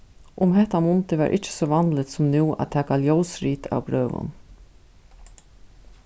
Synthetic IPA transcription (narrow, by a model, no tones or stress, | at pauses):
ʔʊmɦɛht̪ːamʊnt̪əʋæ̰ɾʔɪt͡ʃːə̥sɔʋɑnd̪lət̪sɔmnuːʔæ̰t̪ʰːæːkaljoʊsɾiːt̪ʰa̰wɡɾøːʋʊ̰n